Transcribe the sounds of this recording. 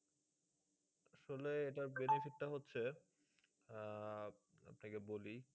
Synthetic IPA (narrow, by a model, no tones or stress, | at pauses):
aʃoleeʈaɾbenefiʈʈaɦotːɕʰe | a̰pnakeboli